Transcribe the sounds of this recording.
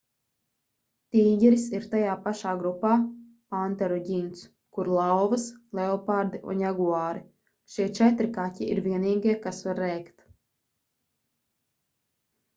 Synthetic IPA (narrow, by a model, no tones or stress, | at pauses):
t̪iːɟʲɛɾisiɾt̪ajaːpaʃaːɡɾupːaː | pant̪ɛɾɔɟʲint̪s | kuɾlˠawvɨslˠɛɔpaɾd̪iʔṵnjaɡuaːɾi | ʃiɛt͡ʃɛt̪ɾikatʲiiɾvʲiɛniːɡiɛkasvaɾːɛjkt̪